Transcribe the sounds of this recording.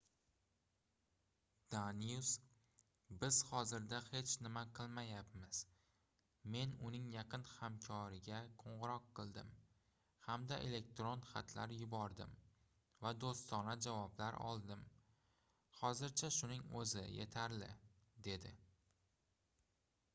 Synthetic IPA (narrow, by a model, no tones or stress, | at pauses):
d̪̥anijus | bɪz̥hɒzɪɾd̪ahe̞t͡ʃʰnɪmaqʰɨlˠmajapmɪz̥ | me̞nʊnɪŋjaqɨnhamkʲʰɒɾɪɡʲaqʰoɴʁɨɾɒqːɨlˠd̪ɪm | hamd̪aʔe̞le̞k̚t̪ɾonχa̰t̪ʰlaɾjʊbɒɾd̪ɪm | vad̪ost̪ɒnad͡ʒavɒblaɾɒ̰lˠd̪ɪm | χɒzɪɾt͡ʃʰaʃʊnɪŋɵzɪ̰je̞̰t̪ʰaɾlɪ̰d̪e̞d̪ɪ